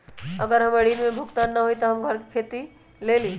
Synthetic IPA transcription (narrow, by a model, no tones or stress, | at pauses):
ɐɡəɾɦɐmɐɽiːnmẽbʱʊɡt̪aːnːɐɦoit̪oɦɐmɡʱɐɾki̥kʰeːt̪i | leːliː